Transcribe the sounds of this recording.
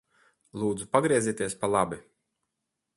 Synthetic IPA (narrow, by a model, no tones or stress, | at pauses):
lˠuːd̪zupaɡɾiɛzʲiːt̪iɛspalˠabi